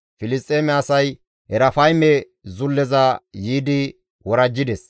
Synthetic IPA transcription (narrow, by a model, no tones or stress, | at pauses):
fɪlɪst̪ʼːeːmɛɐsɐj | hɛɾɐfɐjmɛ | zʊlːɛzɐjiːd̪ɪ | wɔɾɐd͡ʒːɪd̪ɛs